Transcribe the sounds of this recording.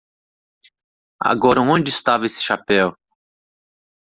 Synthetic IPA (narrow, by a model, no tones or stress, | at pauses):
a̰ɡɔɾɐõnd͡ʒɪst̪avɐesɪ̥ʃapɛw